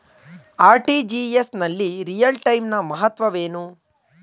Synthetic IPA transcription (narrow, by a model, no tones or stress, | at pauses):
aːɾʈid͡ʒiesnɐlːiɾijɐlʈɐjmnɐmɐɦɐt̪ʋɐʋeːnu